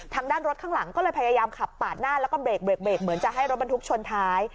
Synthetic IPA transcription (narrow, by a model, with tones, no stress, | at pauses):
t̪ʰaː˧ŋdaː˥˩nɾo˦˥kʰa˥˩ŋla˩˦ŋkɔː˥˩lɤː˧jpʰa˧jaː˧jaː˧mkʰa˨˩pːaː˨˩t̪̚naː˥˩lɛː˦˥wkɔː˥˩beː˨˩k̚be˨˩k̚beː˨˩k̚mɯ˨˩˦ənt͡ɕa˨˩ʔɦa˥˩jɾo˦˥t̚ba˧nt̪ʰu˦˥k̚t͡ɕʰo˧ənt̪ʰaː˦˥j